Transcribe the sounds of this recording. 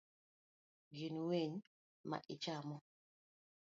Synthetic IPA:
ɡinweɲ | ma̰ʔɪt͡ʃamɔ

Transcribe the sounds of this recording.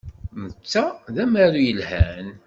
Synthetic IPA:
mət͡sːæðæmæɾujəlhæn

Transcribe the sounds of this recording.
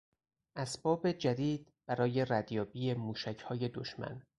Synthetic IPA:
ʔæsbɒːbe̞d͡ʒæd̪iːd̪̥̚ | b̥æɾɒːje̞ræd̪jɒːbiːjemuːʃæcʰhɒːje̞d̪oʃmæ̰n

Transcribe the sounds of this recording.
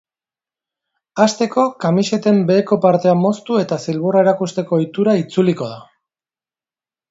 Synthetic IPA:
ast̪e̞ko̞kamiʃe̞t̪e̞mbe̞ːko̞paɾt̪e̞amo̞st̪ue̞t̪asilβuraeɾakust̪e̞ko̞jt̪uɾait͡suliko̞ð̞a

